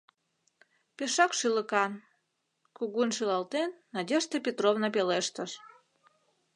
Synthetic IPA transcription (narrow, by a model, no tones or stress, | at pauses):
pʲeʃɑkʃilə̆kɑn | kuɣunʃilɑlt̪enːɑdʲeʃt̪epʲet̪rovnəpeleʃt̪ə̆ʃ